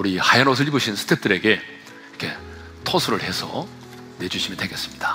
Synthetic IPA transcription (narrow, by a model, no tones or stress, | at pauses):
uɾihajanos̬ʰɯɭibuɕʰinsʰɯ̥tʰe̞p̚t͈ɯɾe̞ɡe̞ | kʰe̞ | tʰosʰuɾɯɭhe̞sʰʌ̰ | ne̞d͡ʑuɕʰimintwe̞ɡe̞s͈ɯmɲid̥a